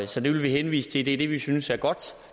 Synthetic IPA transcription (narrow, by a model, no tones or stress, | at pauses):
sɒ̽d̥e̝ʋelʋihenʋḭːsə̥t͡sʰe̝ld̥e̝d̥e̝ʋisynsæɐɡ̥ɒ̽d̥